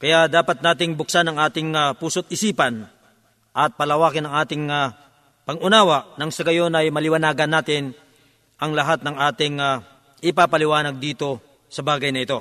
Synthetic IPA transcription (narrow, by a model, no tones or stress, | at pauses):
kɐjaʔd̪aːpɐt̪̚naːt̪ɪŋbʊk̚sanɐŋʔaːt̪ɪŋapuːsot̪̚ɪsiːpɐn | ʔɐt̪̚pɐlɐwaːkɪnɐŋʔaːt̪ɪŋa | pɐŋʔʊnaːwɐʔnɐŋsɐɡɐjo̞nɐjmɐlɪwɐnaːɡɐnːaːt̪ɪn | ʔɐŋlɐɦat̪̚nɐŋaːt̪ɪŋa | ʔɪpapɐlɪwaːnɐɡ̚d̪iːt̪o̞ | sɐbaːɡɐjnɐɪt̪o̞